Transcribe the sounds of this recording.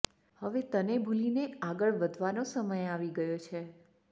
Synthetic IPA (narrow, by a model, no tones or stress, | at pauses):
həʋet̪ənebʱulineaɡəɭʋəd̪ʱʋanosəməjaʋiɡəjot͡ʃʰe